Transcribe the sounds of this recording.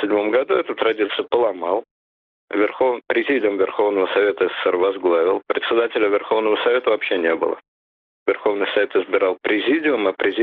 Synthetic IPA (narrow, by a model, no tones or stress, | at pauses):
sʲɪdʲmo̞mɡɐd̪uɛt̪ʊt̪ɾɐdʲit̪sɨjʊpəlˠɐmɑlˠ | vʲɪrxovpɾʲɪzʲidʲɪʊmvʲɪrxo̞vnəvəsɐvʲet̪əɛsə̥sɛrvɐzɡlˠavʲɪlˠpɾʲɪt̪sʲɪd̪atʲɪlʲəvʲɪrxo̞vnəvəsɐvʲe̞t̪əvɐpɕːenʲe̞bɨ̰lˠə̰ | vʲɪrxo̞vnɨjsɐvʲet̪ɨzbʲɪɾɑlˠpɾʲɪzʲidʲɪʊmɐpɾʲɪzʲ